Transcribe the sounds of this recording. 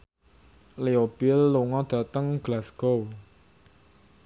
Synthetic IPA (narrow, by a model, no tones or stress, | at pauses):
leobilːoŋɔd̪̥at̪əŋɡ̥lasko